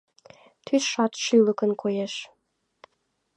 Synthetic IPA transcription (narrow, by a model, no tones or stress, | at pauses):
t̪ʰyʃɑt̪ʃyləkənkʰojeʃ